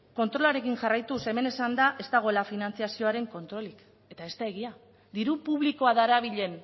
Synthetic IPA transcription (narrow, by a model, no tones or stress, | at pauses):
ko̞nt̪ɾo̞laɾe̞kiŋʝarajt̪use̞me̞ne̞sand̪aʔe̞st̪aɣ̞o̞elafinant͡siasio̞aɾe̞ŋko̞nt̪ɾo̞lik | e̞t̪ae̞st̪ae̞ɣ̞ia | d̪iɾupuβliko̞aðaɾaβ̞iʎe̞n